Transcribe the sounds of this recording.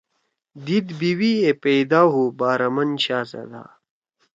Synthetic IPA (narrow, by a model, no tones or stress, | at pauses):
d̪id̪biwiepejd̪aːɦubaːɾɐmɐnɕaːzɐ̰d̪a̰ː